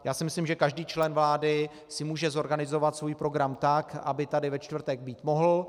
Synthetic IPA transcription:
jaːsɪmɪslimʒɛkaʒdiːt͡ʃlɛnvlaːdɪ | sɪmuːʒɛzo̞ɾɡanɪzo̞vat̪svuːjpɾo̞ɡɾamt̪akʔa̰bɪt̪adɪvɛt͡ʃt̪vr̩t̪ɛɡ̚biːt̪moɦl̩

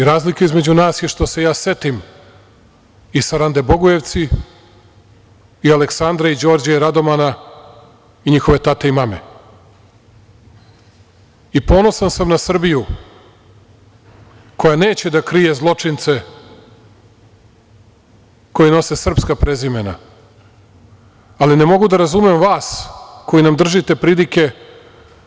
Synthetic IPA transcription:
iɾaːzlikaizme̞d͡ʑunaːsjeʃt̪o̞se̞jaːse̞t̪im | isaɾand̪e̞bo̞ɡuje̞ʋt̪si | iale̞ksand̪ɾaid͡ʑo̞ːɾd͡ʑaiɾad̪o̞mana | iɲixo̞ʋe̞t̪at̪eimame̞̰ | ipo̞ːnosansamnasr̩biju | ko̞jane̞ːt͡ɕe̞d̪akɾije̞zlˠo̞t͡ʂint̪se | ko̞jino̞se̞sr̩pskapɾe̞zimena̰ | aline̞mo̞ɡud̪aɾazumemʋaːsko̞jinamd̪r̩ʒit̪e̞pɾilike̞

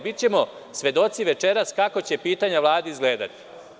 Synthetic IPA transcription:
bit͡ɕe̞mo̞ | sʋe̞d̪o̞t̪siʋe̞t͡ʃe̞ɾaskako̞t͡ɕe̞piːt̪aɲaʋlˠaːd̪iizɡle̞ːd̪a̰t̪i̥

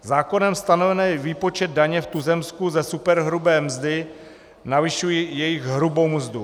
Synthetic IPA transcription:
zaːko̞nɛmst̪ano̞vɛnɛːviːpo̞t͡ʃɛd̪̚daɲɛft̪uzɛmskuzɛsupɛɾɦɾubɛːmzdɪ | navɪʃujijɛjɪɣɦɾubo̞wmzdu

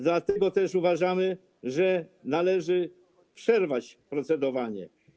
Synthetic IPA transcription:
d̪lat̪ɛɡɔt̪ɛʂuvaʐamɘ | ʐɛnalɛʐɘ | pʂɛɾvat͡ɕpɾɔt̪sɛd̪ɔvaɲɛ̰

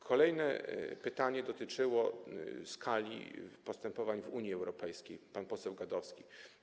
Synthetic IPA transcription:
kʰɔlɛjnɛ̰pɘt̪aɲɛd̪ɔt̪ɘt͡ʂɘwɔskʰalʲḭpɔst̪ɛmpɔvaɲvuɲjiɛwɾɔpɛjskʲejpanpɔsɛwɡad̪ɔfskʲi

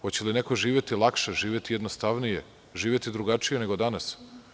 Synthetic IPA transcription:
hot͡ɕelineko̞ʒiːʋjet̪ilˠakʃeʒiːʋʲjet̪ijed̪nost̪aʋnije | ʒiːʋje̞t̪id̪ɾuɡat͡ʂije̞ne̞ɡo̞d̪anas

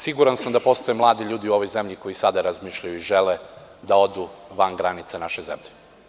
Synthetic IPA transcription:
siɡuɾansamd̪apo̞st̪o̞jemlˠaːd̪iʎuːd̪iuo̞ʋo̞jze̞mʎiko̞jisad̪aɾazmiːʃʎajuiʒeled̪ao̞d̪uʋanɡɾanit̪sanaʃezemʎe

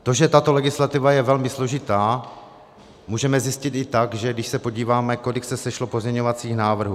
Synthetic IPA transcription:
t̪o̞ʒɛt̪at̪o̞lɛɡɪslat̪ɪvajɛvɛlmɪslo̞ʒɪt̪aː | muːʒɛmɛzjɪscɪt̪ɪt̪aɡʒɛdɪʃsɛpo̞ɟiːvaːmɛko̞lɪksɛsɛʃlo̞pozmɲɛɲo̞vat͡siːxnaːvr̩ɦuː

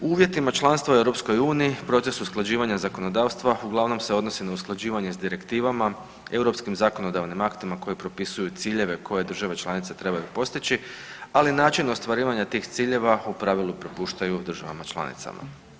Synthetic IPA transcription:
uuːʋje̞t̪imat͡ʃlˠanst̪ʋaue̞wɾo̞psko̞juːniipɾo̞t̪se̞susklˠad͡ʑiːʋaɲazako̞no̞d̪aːʋst̪ʋauɡlˠaʋno̞mseo̞d̪no̞sinausklˠad͡ʒiːʋaɲe̞zd̪iɾe̞kt̪iːʋama | e̞wɾo̞pskimzako̞no̞d̪aʋnimakt̪imako̞jepɾo̞pisujut̪siːʎe̞ʋe̞kʰo̞je̞d̪r̩ʒaʋe̞t͡ʃlanit̪se̞t̪ɾe̞bajupo̞st̪it͡ɕialinaːt͡ʃino̞st̪ʋaɾiːʋaɲat̪iːxt̪siːʎe̞ʋaupɾaʋilˠupɾo̞puːʃt̪ajud̪r̩ʒaʋa̰mat͡ʃlˠa̰nḭt̪sa̰ma̰

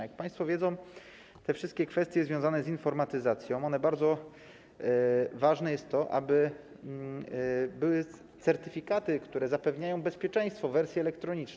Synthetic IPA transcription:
jak̚paj̃st̪fɔvʲjɛd̪zɔ̃w̃ | t̪ɛfʂɘst̪̚kʲɛkfɛst̪jɛzvjɔ̃zanɛzinfɔɾmat̪ɘzat̪sʲjɔ̃w̃ɔnɛbaɾd̪zɔ | vaʐnɛjɛst̪ːɔʔa̰bɘ | bɘwɘ | t̪sɛɾt̪ɘfʲikat̪ɘkt̪uɾɛzapɛvɲajɔ̃w̃bɛspʲjɛt͡ʂɛ̃j̃st̪fɔvɛɾsʲjɛɛlɛkt̪ɾɔɲit͡ʂn

